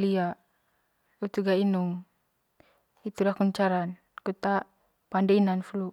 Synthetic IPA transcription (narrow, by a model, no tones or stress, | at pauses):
liaʔ | ut̪uɡainuŋ | it̪ulahkuɲt͡ʃaɾan | kut̪aʔ | pandainanflu